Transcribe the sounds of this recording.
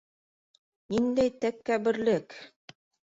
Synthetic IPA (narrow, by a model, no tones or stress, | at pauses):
nind̪æjt̪ækːæβɘ̆ɾlɘk